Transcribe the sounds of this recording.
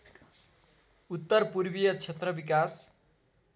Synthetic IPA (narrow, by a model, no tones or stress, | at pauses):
ut̪ːʌrpurbijʌt͡sʰet̪rʌbikas